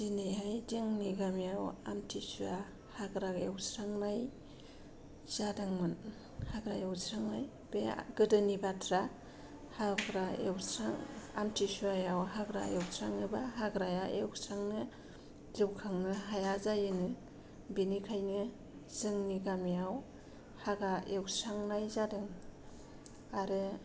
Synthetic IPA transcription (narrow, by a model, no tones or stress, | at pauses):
zinehajzɯŋniɡamjawa̰mtʰisua | haɡɾaɡewsɾaŋmaj | z̥adaŋmɯn | haɡɾajawsɾaŋmaj | beɡɯdɯnibatʰɾa | haɡɾaewsɾaŋa̰mtʰisuajawɦaɡɾa̰ewsʰɾaŋnɯbaɦaɡɾajaʔḛwsɾaŋnɯ | lɯwkʰaŋnɯɦajazajɯnɯ | binikʰajnɯ | z̥ɯŋniɡamijaw | haɡɾaewsɾaŋnajzadɯŋ | aɾɯ